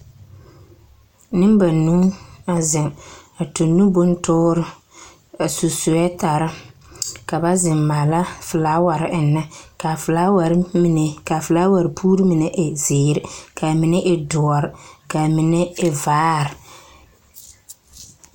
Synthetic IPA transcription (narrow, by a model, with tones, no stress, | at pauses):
nɪ˦m˦ba˨nũ˦a˨zɪ˨ŋa˨to˨nːu˦bʊ˦n˦tʊː˦ɾɪ˦ | a˨su˨sʊ˨ɛ˦ta˨ɾɪ˦ | ka˨ba˦zɪ˨mma˨la˦fʊ˨laː˦wa˨ɾɪ˦ʔɪ˨nːa˦ka˨fʊ˨la˦wa˨ɾmi˨nɛ˨ka˨fʊ˨laː˦wa˨ɾɪ˨pʰuː˦ɾi˦mɪ˨nɛ˦ʔɪ˨zɪː˨ɾɪ˦kʰa˨mɪ˨nɛ˦ʔɪ˨dʊ˨ɔ˨ɾɪ˨ka˨mɪ˨nɛ˦ɪ˦vaː˨˦ɾɪ˨